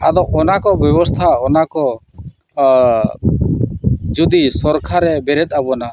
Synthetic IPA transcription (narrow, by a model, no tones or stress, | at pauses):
ad̪ɔʔɔnakɔbjɛbɔst̪ʰaɔnakɔ | d͡ʒud̪isɔɾkʰaɾɛbɛɾɛt̪̚ˀabɔna